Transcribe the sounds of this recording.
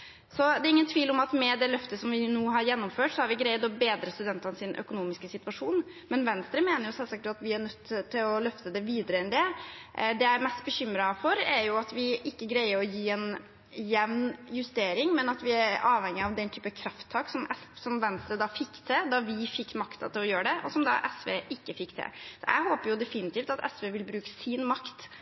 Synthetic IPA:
sɔd̪ɛɾɪŋːənt̪ʰʋiːlɔmɑt̪mɛd̪ɛlœft̪əsɔmʋɪnuːɦɑɾjɛnːɔmføːʈsɔhæɾʋɪɡɾæɪət̪lɔbeːd̪ɾəst̪ʉd̪ɛnt̪ɑnsɪnʔœ̰kʊnuːmɪskəsɪt̪ʉʋɑʂuːn | mɛnʋɛnst̪ɾəmeːnəɾjʊsɛlsɑk̚t̪ɑt̪ʋɪæɳœt̪ʰːɪlɔlœft̪əd̪ɛʋiːd̪əɾəɛnd̪ɛʔd̪ɛæmɛst̪bəçʏmɾɑfɔɾæɾjʊɑt̪ʋɪʔɪkːəɡɾæɪəɾɔjiːɛn | jɛʋnjʉst̪eːɾɪŋmɛnɑt̪ʋɪæɾɑːʋhɛŋːɪɑʋd̪ɛnt̪ʰyːpəkʰɾɑft̪ʰːɑːksɔmɛssɔmʋɛnst̪ɾəd̪ɑfɪkːt̪ʰɛd̪ɑʋɪfɪkːmɑkt̪ɑ̰t̪ɪlɔjøːəɖɛʔɔ̰sɔmd̪ɑ̰ʔɛsʋḛːʔɪkːəfɪkːt̪ʰɛ̰sɔʔæ̰ɪɦoːpəɾjʊd̪ɛfɪnɪt̪iːft̪ɑt̪ɛ̰sʋeʋɪlbɾʉːkə̥sɪnmɑkt̪

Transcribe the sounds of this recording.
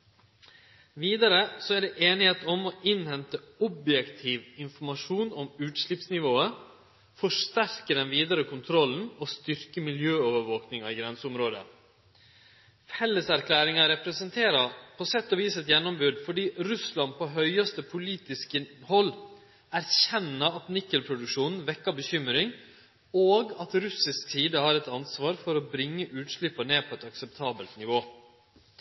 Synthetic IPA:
ʋiːd̪ɑɾəsɔæɖɛʔeːnɪheːt̪ɔmɔʔɪnhɛnt̪əɔbjɛkt̪ʰiːʋɪnfɔɾmɑʂuːnɔmʉːt̪ʂɭɪpsnɪʋoːə | fɔʂt̪æɾkəɖɛnʋiːd̪ɑɾəkʰʊnt̪ʰɾɔlːn̩ɔst̪ʏɾkəmɪljøːoːʋəɾʋoːknɪŋɑɪɡɾɛnsəʊmɾoːd̪ə̰ | fɛlːəsæɾkʰlæːɾɪŋɑɾɛpɾəsənt̪ʰeːɾɑpʰɔsɛt̪ːɔʋiːsɛt̪jɛnːɔmbʉd̪fɔɖiːɾʉslɑn̚pʰɔɦœʏɑst̪əpʰʊliːt̪ɪskəhɔlː | æɾçɛnːəɑt̪nɪkːəlpʰɾʊd̪ʉkʂuːnn̩ʋɛkːɑbəçʏmɾɪŋ | oːɡɑt̪ɾʉsɪsksiːd̪əhɑːɾɛt̪ɑnsʋɑːɾfɔɾɔbɾɪŋːəʔʉːt̪ʂɭɪpːɑɳeːpʰɔɛt̪ɑksɛp̚t̪ʰɑːbəlt̪nɪʋoː

